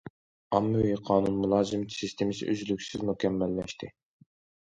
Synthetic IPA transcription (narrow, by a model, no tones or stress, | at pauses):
ɑmːɨwiqʰɑːnunmulˠɑːzɨmʰi̥sist̪ʰemɪsɪ̰ʔyzlykʲsɪzmukʲʰɛmːɛlːɛʃt̪ʰɪ